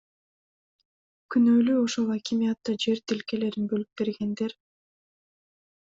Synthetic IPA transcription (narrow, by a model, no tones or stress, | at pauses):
kynøːlyoʃolˠakʲimʲijat̪ːɑd͡ʒe̞ɾt̪elkele̞ɾinbølyp̚be̞ɾɡe̞nd̪e̞ɾ